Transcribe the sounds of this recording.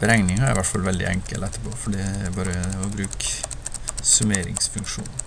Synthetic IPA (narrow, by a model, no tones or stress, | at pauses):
b̥əɾɛŋnɪŋhɑɾɾɪʋæʈfɑlʋɛld̪ɪ̰ʔɛ̰ŋkə̰lɛt̪ːəpʰofɔɖɛɾbɑːɾəɔbɾʉːk | sʉmeːɾɪ̰ŋsfʉŋkʂṵːn